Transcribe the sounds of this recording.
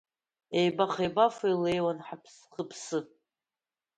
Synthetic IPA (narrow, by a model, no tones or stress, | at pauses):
ejbaχejbafejlejwanħapʰsχəpʰsɨ